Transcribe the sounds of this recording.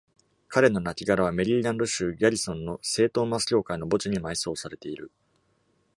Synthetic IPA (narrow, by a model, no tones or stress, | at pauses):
kaɾe̞no̞nakʲiɡaɾaβ̞ame̞ɾʲiːãnd̪oɕɨːɡʲaɾʲisõ̞nːo̞se̞ːt̪o̞ːmasɨ̥o̞ːkaino̞bo̞t͡ɕiɲ̟imaiso̞ːsaɾe̞t̪e̞iɾɯ̟